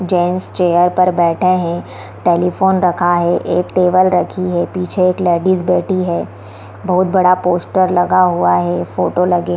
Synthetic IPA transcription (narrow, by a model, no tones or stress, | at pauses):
d͡ʒẽːnst͡ʃeːjəɾpɐɾbɛːʈʰeɦɛ̃ | ʈeːlifoːnɾɐkʰaɦɛʔeːkʈeːʋəlɾɐkʰiɦɛpiːt͡ʃʰeeːklɛːɖiːzbɛːʈʰiɦɛː | bɐɦʊt̪̚bɐɽapoːsʈəɾlɐɡaɦuaɦɛfoːʈolɐɡe